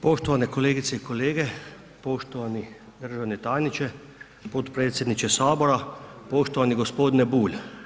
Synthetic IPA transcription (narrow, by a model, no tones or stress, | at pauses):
poʃt̪ɔʋanɛkoleːɡit̪sɛikoleːɡɛ | poʃt̪ɔʋani | d̪əɾʒawnɛt̪aːjnit͡ʃɛ | pot̪pɾeːt̪sʲɛd̪nit͡ʃɛsaːbɔɾapoʃt̪ɔʋaniɡospoːd̪nɛbuːl